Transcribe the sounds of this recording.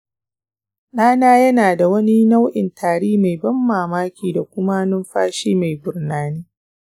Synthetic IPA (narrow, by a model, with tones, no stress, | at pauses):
ɗaː˦naː˦jɐ˦naː˨da˨wɐ˦ni˦na˦wʔɪ˨ntʰaː˨ɽiː˦ma˨jbɐ˦mːaː˨maː˦kʲiː˨da˨kʷʊ˦ma˦nʊ˦mɸaː˦ʃiː˦ma˨jbʊ˨rnaː˨niː˦